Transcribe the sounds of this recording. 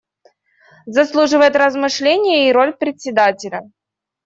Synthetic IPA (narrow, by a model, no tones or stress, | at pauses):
zɐslˠuʐɨvəjɪt̪rəzmɨʂlʲenʲɪjəiɾo̞lʲpɾʲɪtʲsʲɪd̪atʲɪlʲə